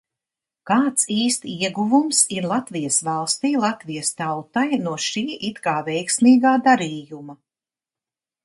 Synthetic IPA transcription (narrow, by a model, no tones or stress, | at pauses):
kaːt̪siːst̪iɛɡuvumsiɾlˠat̪vijəsvalˠst̪iːlˠat̪vijəst̪awt̪ajnuɔʃiːʔit̪kaːvɛjksmiːɡaːd̪aɾiːjuma